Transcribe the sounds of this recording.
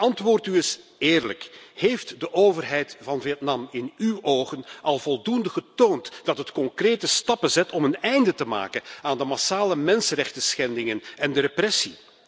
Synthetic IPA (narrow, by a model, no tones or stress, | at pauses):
ʔɑntʋʊːrtyɪsɪːrləkhejftdəʔoːvərɦɛjtvɑnviətnɑmɪnywʔoːɣənɑlˠvɔlˠdundəɣətoːntd̥ɑtɦətkɔŋkreːtəstɑpəzɛtɔmənɛjndətəma̰ːkənaːndəmasaːləmɛnsərɛxtəsxɛndɪŋənɛndəɾeprɛsi